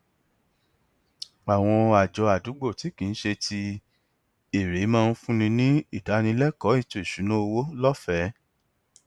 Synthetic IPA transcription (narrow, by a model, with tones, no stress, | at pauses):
a˨w̃ɔ̃˧a˨d͡ʒɔ˧a˨du˨˦ɡ͡bo˦˨ti˨˦kĩ˨n̩˦ʃe˧tʰi˧ | e˨ɾe˨˦mãː˧n̩˦fũ˦nĩ˧nĩ˦i˦˨ta˨˦nĩ˧˦lɛ˦kɔ˨˦i˦˨to˨i˨ʃu˨˦nũ˦o˧wo˦lɔ˦fɛ˨˦